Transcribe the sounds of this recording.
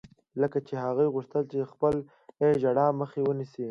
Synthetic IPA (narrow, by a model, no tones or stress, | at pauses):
ləkat͡ʃeɦaɣujɣʊʂt̪əlt͡ʃexpəl | eʒaɽɑməxewənisi